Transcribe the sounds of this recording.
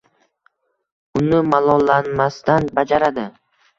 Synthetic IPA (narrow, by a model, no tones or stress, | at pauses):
ʊnɪmalˠɒlːanmast̪anbad͡ʒaɾad̪ɪ